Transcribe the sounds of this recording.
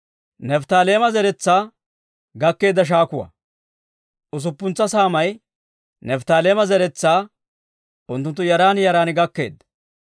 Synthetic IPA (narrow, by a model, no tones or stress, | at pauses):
nɛft̪aːle̞ːmɐzɛɾɛt͡sːaː | ɡɐkːe̞ːd̪ːɐʃ̬aːkʊwɐ̰ | ʊs̬ʊpːʊnt͡sːɐsaːmɐj | nɛft̪aːleːmɐzɛɾɛt͡sːaː | ʊnt̪̬ːʊnt̪̬ːʊjɐɾaːnjɐɾaːnɪɡɐkːe̞̰ːd̪ːɐ